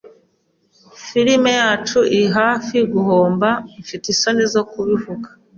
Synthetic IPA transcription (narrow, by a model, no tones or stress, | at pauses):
fiɾime̞jaːt͡ʃuʔiɦaːfiɡuhoːmbaɱfitisonizokuβivuɡḁ